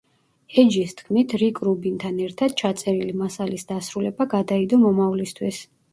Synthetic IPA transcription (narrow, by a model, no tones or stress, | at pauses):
ɛd͡ʒist̪ʰkʰmit̪ʰɾikʼɾubint̪ʰanɛɾt̪ʰad̪̥̚t͡ʃʰat̪sʼɛɾilimasalisd̪asɾulɛbaɡad̪aid̪ɔmɔmavlist̪ʰwis